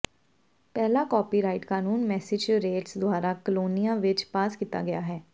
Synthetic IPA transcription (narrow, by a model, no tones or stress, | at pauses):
pɛːlaːkɔːpiːɾaːɪʈkaːnuːnmɛːsɪd͡ʒɾeːʈsd̪ʊaːɾaːkəloːnijãːʋɪt͡ʃpaːskit̪a̰ːɡɪjaːɦɛː